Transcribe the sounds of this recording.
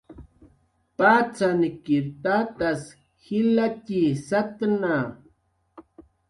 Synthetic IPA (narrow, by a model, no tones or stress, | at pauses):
pat͡sanɪkɪɾt̪at̪as | xɪlatisat̪na